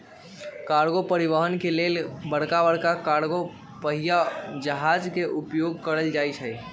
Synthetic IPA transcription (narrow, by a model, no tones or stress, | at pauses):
kaɾɡopəɾiʋəɦənkelelbəɽkabəɽkakaɾɡo | pəɦijad͡ʒəɦad͡ʒkeʔupjoɡ̚kəɾəld͡ʒajt͡ʃʰɦəj